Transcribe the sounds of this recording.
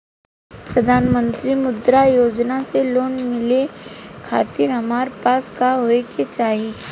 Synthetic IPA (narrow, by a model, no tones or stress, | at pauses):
pɾɐd̪ʱaːnmə̃nt̪ɾimʊd̪ɾajoːd͡ʒnaseloːnmɪlekʰaːt̪ɪɾɦɐmaːɾepaːskaɦoeket͡ʃaːɦi